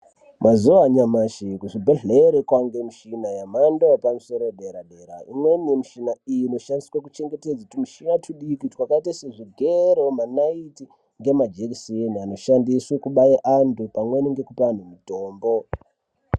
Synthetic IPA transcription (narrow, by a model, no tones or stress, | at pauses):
mazuʋaɲamaʃikuʐibʱeɮeɾekwaŋɡemiʃinajamandopamuso̞ɾoɗeɾaɗeɾa̰imwenijemiʃinaijino̞ʃandiswak̬ut͡ʃe̞ŋɡe̞ted͡zautimiʃinatuɗikitwakaitaseʐiɡʱeɾomanaiti | ŋɡe̞mad͡ʒeksinano̞ʃandiswekuɓajeʔandupamweniŋɡekupan̤umuto̞ːmbo̞